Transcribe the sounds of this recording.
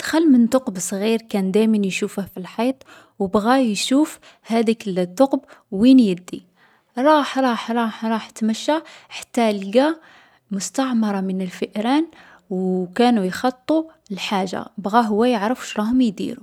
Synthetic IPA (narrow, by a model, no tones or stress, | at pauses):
d̪̥xælːmənt̪oqbsˤɣiɾkænd̪æjmənjʃufəhfilħɑt̪ˤ | wbɣæjʃuf | hæd̪ikəlt̪ːoqbwinjəd̪ːi | ɾˤɑħɾˤɑħɾˤɑħɾˤɑħt̪məʃːaħḁt̪ːælɡæ | mʊst̪ɑʕmɑɾˤɑmənəlfəʔɾæn | wkænujxɑt̪ˤːu | lħaʒːa̰bɣæɦʊwːæjəʕɾəfu̥ʃɾˤɑhʊmjd̪ḭɾṵ